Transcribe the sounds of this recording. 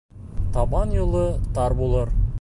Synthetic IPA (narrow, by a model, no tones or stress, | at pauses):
t̪ʰɑbɑnjulˠɤt̪ɑɾbolˠɤɾ